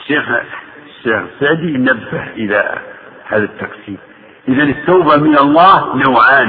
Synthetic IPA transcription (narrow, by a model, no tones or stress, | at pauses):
ʃːixʃːexəsːaʕd̪inæbːəhʔəlæ̰ | hæðət̪ːɑqsim | ʔəðænət̪ːuːbamənɑlˤːɑhnawʕan